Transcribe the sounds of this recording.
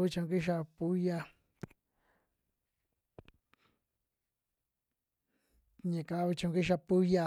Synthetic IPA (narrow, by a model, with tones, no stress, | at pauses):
βi˦t͡ʃõ˧ŋ˧ki˦ʃ̬a˧pu˦ja˧ | ɲẽ˨ka˧˦βi˧t͡ʃõ˧ki˦ʃ̬a˧pu˦ja˧